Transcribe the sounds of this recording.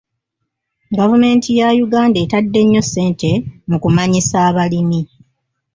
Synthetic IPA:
ɡavume̞ːntʰijajuɡaːndetadːe̞ɲːo̞se̞ːntʰe̞mukumaɲisaːβalimi

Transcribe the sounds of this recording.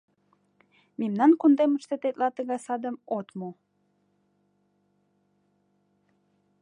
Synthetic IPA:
mimnɑnkund̪eməʃt̪et̪et̪lɑt̪əɣɑjsɑd̪əmot̪mo

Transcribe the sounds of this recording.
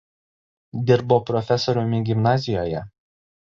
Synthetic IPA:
d̪ʲɪɾboːpɾɔfʲɛsɔɾʲʊmʲɪɡʲɪmnɑːzʲɪjoːjɛ

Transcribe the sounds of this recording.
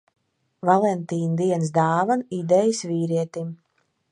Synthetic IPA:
valˠɛnt̪iːnd̪iɛnsd̪aːvanid̪ɛjisviːɾiɛt̪im

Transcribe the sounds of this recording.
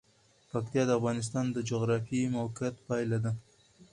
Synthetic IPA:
pakt̪ijɑd̪əafɣɑnɪs̬t̪ɑnd̪əd͡ʒoɣɾɑfimawkat̪pɑjlad̪a

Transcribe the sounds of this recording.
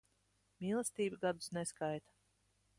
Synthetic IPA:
mʲiːlˠɛst̪iːbɨɡad̪u̥sneskajt̪ḁ

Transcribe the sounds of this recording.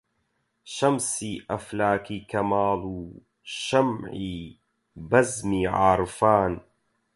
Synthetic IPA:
ʃɐmsiːʔɐflaːkiːkɐmaːluː | ʃɐmʕiː | bɐzmiːʕaːɾˤfaːn

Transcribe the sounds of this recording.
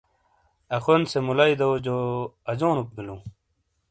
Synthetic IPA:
ɐxonsemulaid̪ɐwd͡ʑoɐd͡ʑoːnuk̚bilu

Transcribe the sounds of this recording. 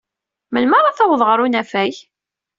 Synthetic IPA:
məlməɾˤɑθɑwðˤʁəɾˤunæfæj

